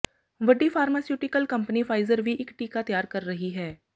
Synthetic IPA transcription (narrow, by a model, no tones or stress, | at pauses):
ʋɐɖifʰaːɾmaːsjuːʈɪkəlkɐ̃mpənifʰaːɪzəɾʋʱiʔɪkʈiːkat̪ɐjaːɾkɐɾːɐɦiɦɛː